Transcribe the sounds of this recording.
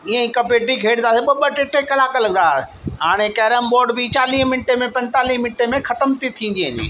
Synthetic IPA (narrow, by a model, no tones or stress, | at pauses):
iːẽĩkɐpeːʈikʰeːɽ̃d̪aːseɓɐɓəʈɪʈekɐlaːkəlɐɡnd̪aː | ɦaːɽ̃ekɛːɾəmboːɾɖbit͡ɕaːliːɦmɪnʈemẽpɐ̃nt̪aːliːɦmɪ̃nʈemẽxɐt̪əmt̪it̪ʰĩːn̆d͡ʑ̪iːɦənḭ